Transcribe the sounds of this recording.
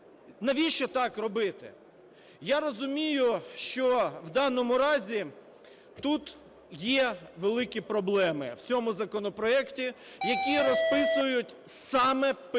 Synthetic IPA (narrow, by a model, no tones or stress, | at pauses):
nɐʋʲiʃt͡ʃɔt̪ɑkrɔbɪt̪ɪ | jaɾɔzʊmʲijʊʃt͡ʃɔwd̪ɑnɔmʊɾɑzʲi | t̪ut̪ | jɛʋelˠɪkʲipɾɔblˠɛmɪwt͡sʲɔmʊzɐkɔnɔpɾɔɛktʲi | jɐkʲiɾɔspɪsʊjʊtʲsɑmɛp